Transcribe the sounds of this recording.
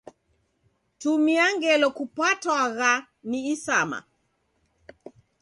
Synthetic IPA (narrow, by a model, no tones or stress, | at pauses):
tumiaŋɡɛlɔkupatwaɣa | niːsama̰